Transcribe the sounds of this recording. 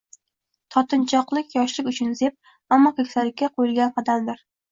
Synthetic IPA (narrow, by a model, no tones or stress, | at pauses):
t̪ʰɒt̪ʰɪnt͡ʃʰɒqlˠɪkʲjɒʃlɪkʲʊt͡ʃʰʊnzep̚ | amːɒkʰʲekʲsalɪkʲːaqʰojɪlɡʲanqʰɑd̪amd̪ɪɾ